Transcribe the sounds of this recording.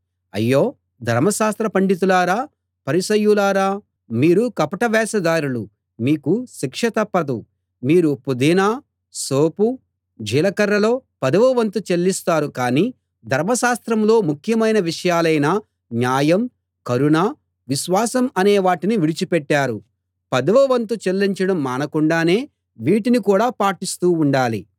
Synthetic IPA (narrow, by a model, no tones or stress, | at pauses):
ɐ̰jːo̞ː | d̪ʱɐɾmɐʃaːst̪ɾɐpɐɳɖit̪̬ulaːɾaː | pɐɾisɐjːulaːɾaː | miːɾukɐpɐʈɐʋɛːsɐd̪aːɾulu | miːkuʃikʂɐt̪ɐpːɐd̪ṵ | miːɾupud̪iːnaː | soːpu | d͡ʒiːlɐkɐɾːɐlo̞ːpɐd̪ɐʋɐʋɐnt̪ut͡ʃelːist̪aːɾukaːniː | d̪ʱɐɾmɐʃaːst̪ɾɐmlo̞ːmukʰjɐmɐjnɐʋiʂɐjaːlɐjnɐ | njaːjɐm | kɐɾunaː | ʋiʃʋaːsɐmɐneːʋaːʈiniʋiɽit͡ʃipɛʈːaːɾu | pɐd̪ɐʋɐʋɐnt̪ut͡ʃelːiɲt͡ʃɐɽɐmːaːnɐkuɳɖaːne̞ː | ʋiːʈinikuːɽaːpaːʈist̪uːɳɖaːlḭ